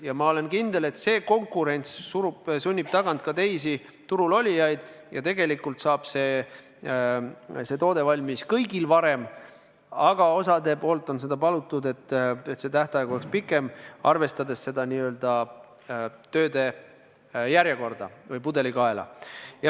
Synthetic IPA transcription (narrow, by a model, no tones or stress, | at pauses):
jɑmɑo̞le̞nkind̪̥e̞le̞t̪se̞ːko̞ŋkuɾe̞nʲt̪ssuɾubsunʲːib̥̚t̪ɑɡ̥ɑnt̪̚kɑt̪e̞jsi | t̪uɾulo̞lʲijɑjd̪̥jɑ̰t̪e̞ɡ̥e̞likːult̪sɑːb̥se̞ː | se̞t̪o̞ːd̪e̞vɑlʲmiskɤjɡilvɑɾe̞m | ɑɡ̥ɑo̞sɑd̪e̞po̞ːlt̪ːˑo̞nse̞d̪̥ɑpɑlut̪ːˑud̪e̞t̪ːet̪se̞t̪æht̪eɑjɡuolekspikːˑe̞mɑ̰rve̞st̪ɑd̪e̞sːe̞d̪ɑniø̞ːld̪̥ɑ | t̪ø̞ːd̪̥e̞ | jæɾjeko̞rd̪ɑ̰vɤjpud̪e̞likɑe̞lɑ̰jɑ